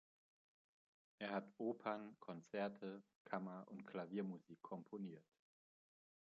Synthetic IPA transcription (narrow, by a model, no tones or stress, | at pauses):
ʔeːɐɦatʔoːpʰankʰɔnt͡sɛɐtʰə | kʰamɐʔʊntkʰlaviːɐmuziːkʰːɔmpʰoniːɐt